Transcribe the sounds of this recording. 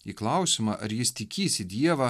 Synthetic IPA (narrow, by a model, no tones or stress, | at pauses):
iːklˠɑˑʊsʲɪmɐʔɐ̰ɾjɪst̪ʲɪkʲiːsʲɪd̪ʲiɛʋɐ